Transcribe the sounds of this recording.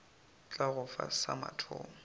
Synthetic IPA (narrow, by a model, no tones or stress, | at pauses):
t͡ɬʼaɣʊfa̰samatʰʊ̰ːmʊ